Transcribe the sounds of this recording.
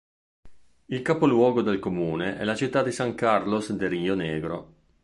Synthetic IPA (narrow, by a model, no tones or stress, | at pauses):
ilkapolwɔːɡod̪elkomuːneʔɛ̰lat͡ʃit̪ːad̪isaŋkarlosd̪eɾiːoneːɡɾo